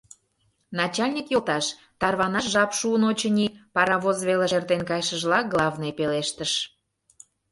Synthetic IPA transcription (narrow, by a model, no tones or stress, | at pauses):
nɑt͡ɕɑlʲnʲikjolt̪ɑʃ | t̪ɑrβɑnɑʃʒɑpʃuənot͡ɕə̆nʲipɑɾɑβozβeleʃert̪enkɑjʃəʒlɑk̚ɡlˠɑvnɤjpeleʃt̪əʃ